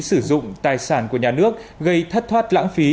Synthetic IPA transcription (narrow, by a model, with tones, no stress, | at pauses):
sɨ˧˩zʊ̰˧˨ŋ͡mt̪aː˨˩jsaː˧˩nku˧˩əɲaː˨˩nɨ˦˥ək̚ɣə˧jt̪ʰə˦˥t̚t̪waː˦˥t̚la̰ː˧˥ŋfi˨˦